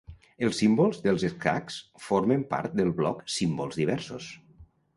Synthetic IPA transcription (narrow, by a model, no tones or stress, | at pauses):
elˠsːimbolˠzðəlˠzeska̰ksfoɾmempa̰ɾt̪̚d̪əlˠβlɔksimbolˠzðiβ̞ɛɾsos